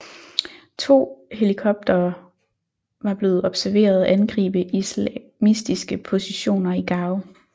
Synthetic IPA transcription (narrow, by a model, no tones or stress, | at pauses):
t͡sʰo̝̰ːhe̝likʰɒ̽b̥̚d̥ɐː | ʋɑ̈b̥le̝ːð̞̩ˠɒ̽b̥sæɐʋe̝̰ːɐð̩ˠʔænɡ̥ʁḭːb̥əʔismisd̥isɡ̥əpʰo̝siɕo̝̰ːnɐiɡ̥ɑ̈ːʊ